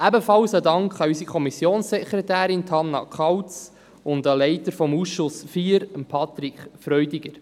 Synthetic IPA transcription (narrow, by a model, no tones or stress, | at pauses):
æbəfɑlsədɑŋkχɑysikʰɔmisjoːnsːɛkɾetæːɾɪntʰɑnːɑ̰kʰχɑwt͡s | ʊndəlɛɪtəɾfɔmuːsʃʊsfiːɾəmpʰɑt̪ɾikχfɾœʏdɪɡ̥əɾ